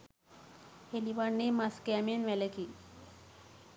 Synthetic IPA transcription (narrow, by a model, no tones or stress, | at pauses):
heliʋaɽnemaskɛmenʋɛlekiː